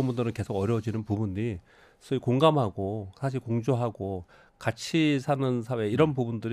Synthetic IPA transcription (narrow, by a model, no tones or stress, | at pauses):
ʌmbundɯɾɯnke̞sʰoɡʌɾjʌd͡ʑinɯnpubuɲi | sʰʌikoŋɡamɦaɡosʰaɕ̬ʰiɭkoŋd͡ʑoɦaɡo | kat͡ɕʰisʰanɯns̬ʰawe̞iɾʌnpubundɯɾ